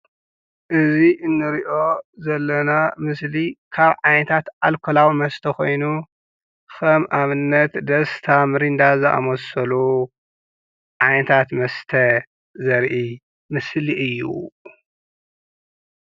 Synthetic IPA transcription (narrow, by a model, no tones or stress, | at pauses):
ʔɨziʔɨnːɨɾiʔo̞zɐlːɐnamɨslikʰaβʕajnɐt̪ʰat̪alkʰolawimɐst̪ʰɐko̞jnu | kʰɐmʔaβɨnːɐt̪d̪ɐst̪ʰamɨɾind̪azɨʔa̰mɐsɐlu | ʕajnɐt̪ʰat̪mɐst̪ʰɐ | zɐɾʔi | mɨsliʔɨjːṵ